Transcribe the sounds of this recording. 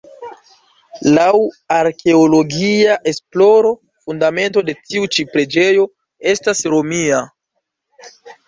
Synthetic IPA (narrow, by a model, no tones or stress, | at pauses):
law | aɾke̞olo̞ɡiaʔe̞splo̞ɾo̞ | fundame̞nto̞de̞tiut͡ʃipɾe̞d͡ʒe̞jo̞ | e̞stasɾo̞mia